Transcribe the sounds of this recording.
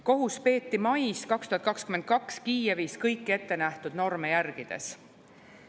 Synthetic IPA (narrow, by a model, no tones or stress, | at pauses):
ko̞ɦuspe̞ːt̪ːimɑjskɑkst̪uhɑt̪̚kɑkskymen̚kɑkskiːjeviːskɤjkːe̞t̪ːe̞næht̪ud̪̥no̞rmejærɡ̥id̪̥e̞̰s